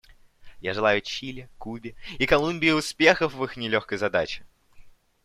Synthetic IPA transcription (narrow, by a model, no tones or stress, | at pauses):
jaʐɨlˠajʊt͡ɕilʲɪkubʲɪikɐlˠumʲbʲɪɪʊspʲe̞xəfvɨxnʲɪlʲo̞xkəjzɐd̪at͡ɕɪ̥